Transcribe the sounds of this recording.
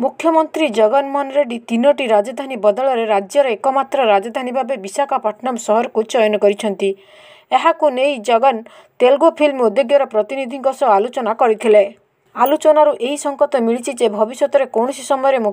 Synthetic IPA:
mukʰːjɔmɔnt̪ɾid͡ʒɔɡɔnmɔnɾeɖit̪inɔʈiɾad͡ʒɔd̪ʱanibɔd̪ɔɭɔɾeɾad͡ʒjɔɾɔekɔmat̪ɾɔɾad͡ʒɔd̪ʱanibʱabebisakapaʈʰnamsɔɦɔɾɔkut͡ʃɔjɔnɔkɔɾit͡ʃʰɔnt̪i | eɦakunejd͡ʒɔɡɔn | t̪elɡopʰilmod̪eɡjɔɾɔpɾɔt̪inid̪ʱiŋɡɔsɔalot͡ʃɔnakɔɾit̪ʰile | alut͡ʃɔnaɾuʔeɦisɔŋkɔt̪ɔmiɭit͡ʃʰid͡ʒebʱɔbisjɔt̪ɔɾekɔwɳ̃ɔsisɔmɔjɔɾemu

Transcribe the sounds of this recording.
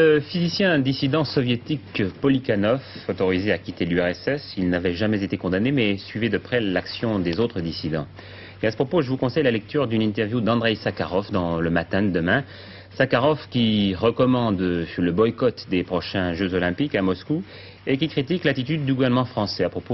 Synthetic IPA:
ləfizisjɛ̃d̪isid̪ɑ̃sɔvjet̪ikpɔlikanɔfɔt̪ɔʁizeakʲit̪elyɛʁɛsɛsilnavɛʒamɛzet̪ekɔ̃d̪anemɛsɥivɛd̪əpχɛlaksjɔ̃d̪ezot̪χəd̪isid̪ɑ̃ | easə̥pχɔpoʒəvukɔ̃sɛjlalɛk̚t̪yʁd̪ynĩt̪ɛʁvjud̪ɑ̃d̪ʁɛjsakaʁɔfd̪ɑ̃ləmat̪ɛ̃d̪əd̪əmɛ̃ | sakaʁɔfkʲiʁəkɔmɑ̃d̪ləbɔjkɔt̪d̪epχɔʃɛ̃ʒøzɔlɛ̃pikamɔsku | ek̬ʲikχit̪iklat̪it̪yd̪̚ːyɡuvɛʁnəmɑ̃fχɑ̃sɛapχɔpo

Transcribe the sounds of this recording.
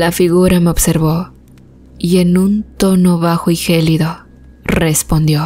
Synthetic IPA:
lafiɣuɾame̞oβse̞ɾβo̞ | ie̞nunt̪o̞no̞βaxo̞ixe̞liðo̞ | re̞spo̞nd̪jo̞

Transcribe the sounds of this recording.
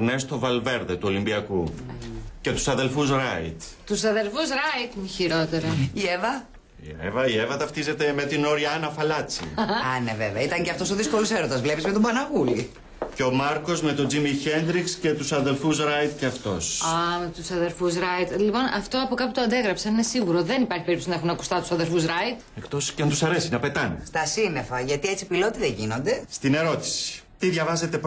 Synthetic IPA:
nest̪o̞vɐlve̞ɾðet̪uo̞limbiɐku | ce̞t̪u̥sɐðelfusɾɐit̪t̪usɐðe̞lfusɾɐit̪miçiɾo̞t̪e̞ɾɐievɐ | iḛvɐievɐt̪ɐft̪ize̞t̪e̞me̞t̪ino̞ɾiɐɐnɐfɐlɐt͡sḭɐneveveɐit̪ɐɲceɐft̪o̞soðisko̞luseɾond̪ɐzvlepizmet̪obɐnɐɣuli | ceo̞mɐɾko̞zme̞t̪o̞d͡zimiçe̞nd̪ɾiksce̞t̪usɐðe̞lfusɾɐjt̪ceɐft̪o̞̰sɐmet̪usɐðe̞ɾfusɾɐjt̪lipo̞nɐft̪o̞ɐpukɐput̪oɐnd̪e̞ɣɾɐpsɐninesiɣuɾo̞ðe̞nipɐɾçipeɾip̪t̪o̥sinɐexunɐku̥st̪ɐt̪u̥sɐðe̞lfusɾɐjt̪ekt̪o̞sceɐnt̪usɐɾe̞sinɐpe̞t̪ɐnest̪ɐsine̞fɐʝɐt̪iet͡si̥pilo̞t̪iðeʝino̞nd̪e̞st̪ine̞ɾo̞t̪i̥si̥t̪iðʝɐvɐze̞t̪e̞p

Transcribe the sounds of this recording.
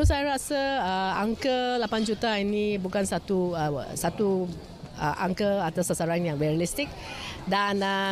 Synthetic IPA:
osajəɾasəəaŋkəlapand͡ʒut̪ainĩbukansat̪uəsat̪u | ə̰ʔa̰ŋkəat̪asasaɾaŋjaŋbɛɾalist̪ik̚ | danə

